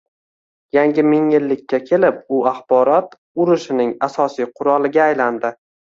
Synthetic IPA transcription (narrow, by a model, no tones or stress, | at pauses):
jaŋɡʲɪmɪŋjɪlːɪkʲʰːakʲʰe̞lɪp̚ʊaχbɒɾɒt̪ | ʊɾɪʃɪnɪŋasɒsijqʰʊɾɒlˠɪɡʲaːjland̪ɪ